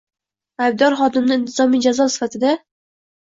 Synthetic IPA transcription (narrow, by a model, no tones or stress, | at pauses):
ajb̚d̪ɒɾχɒd̪ɪmnɪɪnt̪ʰɪzɒmijd͡ʒazɒsɪ̥fat̪ʰɪd̪a